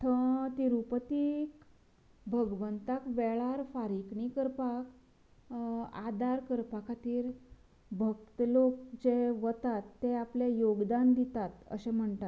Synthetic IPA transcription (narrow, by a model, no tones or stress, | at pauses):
t̪ʰə̃t̪iɾupət̪ik | bʱəɡʋənt̪akʋɛɭaɾfaɾikɳikəɾpak | a̰d̪aɾkəɾpakʰat̪iːɾ | bʱəkt̪əlok̚d͡ʑeʋət̪at̪ːeapljajoɡd̪and̪it̪at̪ə̰ɕem̤əɳt̪at̪